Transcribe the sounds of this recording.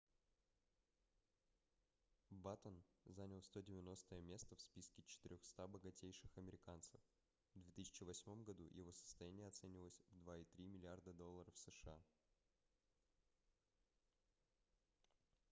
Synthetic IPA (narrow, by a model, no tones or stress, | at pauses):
bat̪ənzanʲɪlˠst̪o̞dʲɪvʲɪno̞st̪əjəmʲe̞st̪əfspʲiskʲɪt͡ɕɪ̥t̪ɪɾʲoxst̪abəɡɐtʲejʂɨxɐmʲɪɾʲɪkant̪səf | v̥d̪vʲe̞t̪ɨsʲɪ̥t͡ɕɪvɐsʲmo̞mɡɐd̪ṵjɪ̰vo̞sə̥st̪ɐjænʲɪjəɐt̪sɛnʲɪvʲɪlˠəsʲvd̪vaɪt̪ɾʲimʲɪlʲɪard̪əd̪o̞lˠːəɾəfsəʂɨa